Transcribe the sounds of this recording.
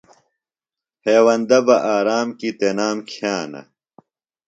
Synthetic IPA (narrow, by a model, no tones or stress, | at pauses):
heːwɐnd̪ɐbɐʔaːɾaːmkit̪enaːmkʰaːnɐ̰